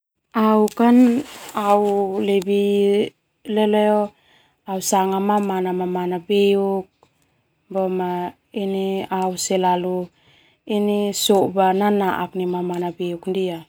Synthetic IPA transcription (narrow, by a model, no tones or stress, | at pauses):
aukanawlebi | leleo | awsaŋamamanamamanabeuk̚ | boma | iniawselalu | inisobananaʔaknimamanabeukndia